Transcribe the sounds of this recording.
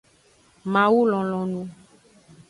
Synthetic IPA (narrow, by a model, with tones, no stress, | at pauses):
mã˨wu˦lɔ̃˨lɔ̃˨nũ˦